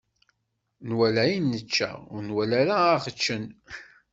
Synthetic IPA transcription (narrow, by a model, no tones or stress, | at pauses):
nwælæjinːət͡ʃːæ̰ʊɾnwælæɾaːχət͡ʃːən